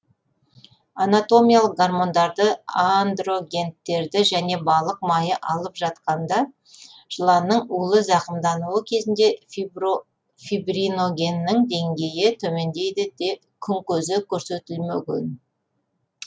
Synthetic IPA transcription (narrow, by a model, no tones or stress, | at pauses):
anat̪o̞mijalˠəq̚ɡarmo̞nd̪ɑɾd̪əand̪ro̞ɡʲe̞nt̪ːe̞ɾd̪ɪʒæne̞bɑlˠəq̚mɑjəʔɑlˠəpʒɑt̪qɑnd̪ɑ | ʒ̥əlˠɑnəɴulˠəzɑqəmd̪ɑnuəkʲʰe̞zɪnd̪e̞ | fibrino̞ɡʲe̞nːɪŋd̪e̞ŋɡʲe̞jɪt̪ʰɵme̞nd̪e̞jd̪ɪd̪e | kʲʰʏŋkʲɵzɪkʲʰɵɾse̞t̪ɪlmʏkʲɪ̰n